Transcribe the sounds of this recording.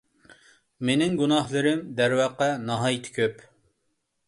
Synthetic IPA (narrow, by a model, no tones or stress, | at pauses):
menɪŋɡunɑhlˠɨɾɪmd̪æɾwɑqːɑnɑɦɑjt̪ʰɪ̥kʲʰøp